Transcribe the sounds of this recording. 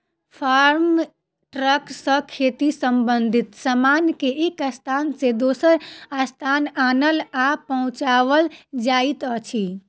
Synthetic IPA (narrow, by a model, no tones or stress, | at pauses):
pʰaɾm | ʈɾəksə̃kʰet̪isəmbənd̪ʱit̪samankeekast̪ʰansẽd̪osəɾast̪ʰananəlapəɦũt͡ʃaʋəld͡ʒait̪ət͡ʃʰi